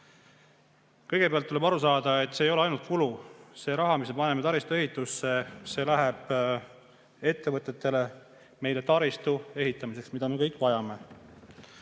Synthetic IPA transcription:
kɤjɡ̥e̞peɑlt̪ːule̞bɑɾus̬ɑːd̪̥ɑe̞t̪ːˑseːjo̞leɑjnult̪̚kuluse̞ːɾɑɦɑmismepɑnemet̪ɑɾist̪ue̞ɦit̪ːˑusːe̞se̞ːlæɦɛb̥ | e̞t̪ːe̞vɤt̪ːˑe̞t̪ːe̞le̞ | me̞jle̞t̪ɑɾist̪ue̞ɦit̪ːˑɑmis̬e̞ksmid̪̥ɑme̞kɤjkːˑvɑjɑme̞

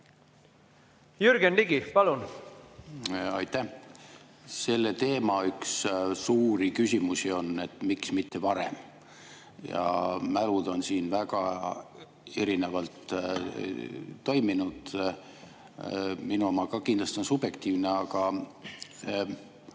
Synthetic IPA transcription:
jyɾɡenliɡipɑlun | ɑjt̪ːˑæh | se̞lːet̪e̞ːmɑykssuːɾikysʲimusio̞nːe̞t̪ːˑmiksmit̪ːe̞vɑɾḛm | jɑ̰mælud̪̥o̞nsiːnvæɡ̥ɑ | e̞ɾine̞vɑlt̪ | o̞jminud̪̥ | minuomɑkɑkind̪lɑst̪io̞nsub̥je̞kt̪iːvne̞ɑɡ̥ɑ

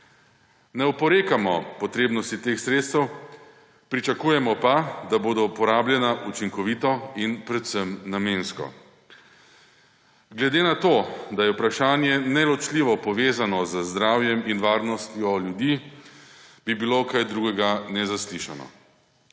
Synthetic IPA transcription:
nɛupɔɾeːkamɔpɔt̪ɾeːbnɔst̪it̪eːxsɾeːt̪st̪ɛw | pɾit͡ʃakuːjɛmɔpad̪aboːd̪ɔpɔɾaːbljɛnaʔut͡ʃiŋkɔʋiːt̪ɔinpɾɛt̪səmnameːnskɔ̰ | ɡlɛd̪eːnat̪od̪ajɛupɾaʃaːnjɛnɛlɔt͡ʃliːʋɔpɔʋeːzanɔzəzd̪ɾaːwjɛminʋaːɾnɔst̪jɔljud̪i | b̥ibilokajd̪ɾuːɡɛɡanɛzasliʃa̰nɔ̰

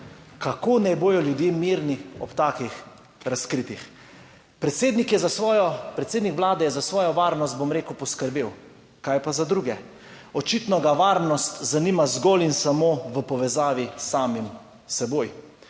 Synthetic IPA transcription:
kakoːnɛjboːjɔljud̪jeːmiɾniɔpt̪aːkix | ɾaskɾiːt̪ix | pɾɛt̪seːd̪nikjɛzasʋɔːjɔpɾɛt̪seːd̪nikʋlaːd̪ɛjɛzasʋɔːjɔʋaːɾnɔst̪̚bomɾeːkəwpɔskəɾbeːw | kajpazad̪ɾuːɡɛ | ɔt͡ʃit̪nɔɡaʋaːɾnɔst̪zaniːmazɡoːlinsamoʋəpɔʋɛzaːʋisaːmim | sɛboːj

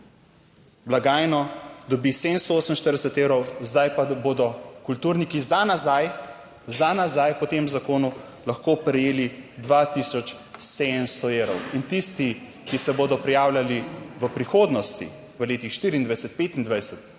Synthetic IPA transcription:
blaɡaːjnɔd̪ɔbised̪ənst̪ɔoːsəm̩ʃt̪əɾd̪ɛsət̪eːwɾɔwzd̪ajpaboːd̪ɔkult̪uːɾnikizanazaj | zanazajpɔt̪emzakoːnu | laxkoːpɾɛjeːlid̪ʋat̪isɔt͡ʃ | sed̪ənst̪ɔewɾɔ̰wint̪ist̪i | kisɛboːd̪ɔpɾɛjaːwlʲjaliʋəpɾixoːd̪nɔst̪ḭ | ʋəleːt̪ixʃt̪iːɾiːnd̪ʋajsət̪̚pet̪ind̪ʋajsət̪

